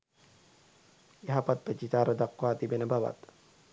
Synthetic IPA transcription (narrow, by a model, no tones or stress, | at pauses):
eɦapat̪̚pəd͡ʒit̪aːɾəd̪akwaːt̪ibenəbaʋa̰t̪